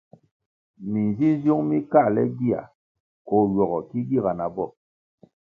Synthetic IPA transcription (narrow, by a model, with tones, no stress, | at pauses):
mi˨nzi˦n˦zjo˦ŋmi˦ka˦˨lɛ˦ɡi˦˨a̰˨ | kɔ˨jɔ˨ɣɔ˨ki˦ɡi˦˨ɣa˨na˨bɔ˦˨